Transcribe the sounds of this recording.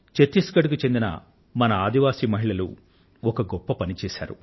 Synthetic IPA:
t͡ʃet̪ːiskɐɽukut͡ʃe̞nd̪inɐ̰ | mɐnɐaːd̪iʋaːsiːmɐɦiɭɐlṵ | ɔkɐɡɔpːɐpɐnit͡ʃɛːʃa̰ːɾu

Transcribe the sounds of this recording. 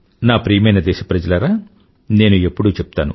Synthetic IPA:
naːpɾiːmɐjnɐd̪ɛːʃɐpɾɐd͡ʒɐlɐɾaː | ne̞ːnuepːuɽuːt͡ʃɛp̚t̪aːnu

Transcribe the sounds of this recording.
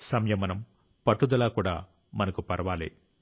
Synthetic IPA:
sɐmjɐmɐnɐm | pɐʈːud̪ɐlaːkuːɽa̰ː | mɐnɐkupɐɾɐʋaːlḛː

